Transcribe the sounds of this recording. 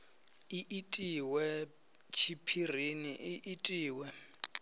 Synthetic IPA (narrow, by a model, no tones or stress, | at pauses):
iʔitʼiwɛ | t͡ʃʰipʰir̤iniʔiʔitʼiːwɛ